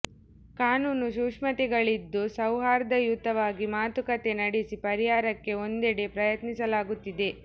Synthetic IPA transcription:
kaːnuːnuʃuʂmɐt̪iɡɐɭid̪ːusɐwɦaːɾɐd̪ɐjut̪ːɐʋaːɡimaːt̪ukɐt̪e̞nɐɽisipɐɾiɦaːɾɐkːe̞o̞nd̪ɛɽe̞pɾɐjɐt̪nisɐlaːɡut̪ːid̪e̞

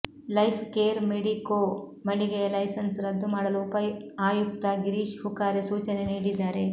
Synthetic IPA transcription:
lɐjpʰkeːɾmeɽikoːmɐɳɖiɡɐjɐlɐjsɐnsɾɐd̪ːumaːɽɐluːpɐjaːjuk̚t̪ɐɡiɾiːʃhukaːɾesuːt͡ʃɐneniːɽid̪ːaːɾe

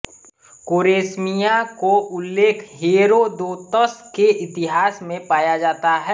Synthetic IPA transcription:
koːɾeːsmijãkoʔʊlːeːkʰɦeːɾod̪oːt̪əskeʔɪt̪ɪɦaːsmẽpaːjad͡ʒaːt̪aɦɛː

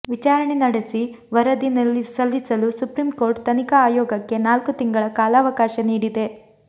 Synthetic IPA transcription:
ʋit͡ʃaːɾɐɳenɐɽesi | ʋɐɾɐd̪inɐlːisɐlːisɐlusupɾimko̞ːɾʈt̪ɐnikɐaːjɔːɡɐkːe̞naːlkut̪iŋɡɐɭɐkaːlaːʋɐkaːʃɐniːɽid̪e̞

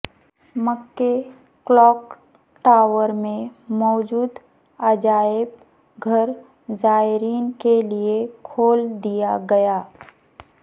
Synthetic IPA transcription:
məkːe | klɔːk | ʈaːwəɾmẽmɔːd͡ʒuːd̪ | əd͡ʒaːɪb | ɡʱɐɾ | zaːɪɾiːnkeliekʰoːld̪ijaɡɐjaː

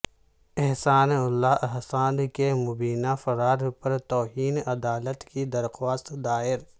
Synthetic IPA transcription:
ɪɦsaːnʊlːaʔɐɦsaːnd̪kemʊbiːnafɐɾaːɾpɐɾt̪ɔːɦiːnɐd̪aːlət̪kid̪ɐɾxwaːst̪d̪aːɪɾ

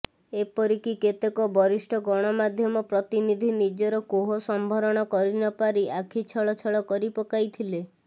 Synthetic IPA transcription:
epɔɾikiket̪ekɔbɔɾisʈʰɔɡɔɽ̃ɔmad̪ʱjɔmɔpɾɔt̪inid̪ʱinid͡ʒɔɾɔkoɦɔsɔmbʱɔɾɔɽ̃ɔkɔɾinɔpaɾiʔakʰit͡ʃʰɔɭɔt͡ʃʰɔɭɔkɔɾipɔkajt̪ʰile

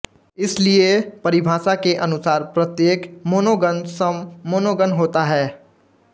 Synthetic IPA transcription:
ɪsliepɐɾɪbʱaːsakeʔɐnʊsaːɾpɾət̪jeːkmoːnoɡənsəmːoːnoɡənɦoːt̪aɦɛː

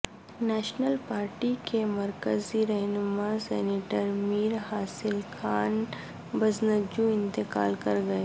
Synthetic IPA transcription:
nɛːʃnəlpaːɾʈikemɐɾkəziɾɛɦnʊmasɛːneːʈəɾmiːɾɦaːsɪlxaːn | bɐznəd͡ʒũɪ̃nt̪ɪka̰ːlkɐɾɡɐeː

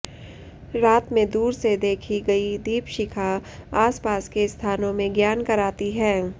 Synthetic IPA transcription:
ɾaːt̪mẽd̪uːɾsed̪eːkʰiɡɐid̪iːpʃɪkʰaaːspaːskest̪ʰaːnõmẽɡjaːnkɐɾaːt̪iɦɛː

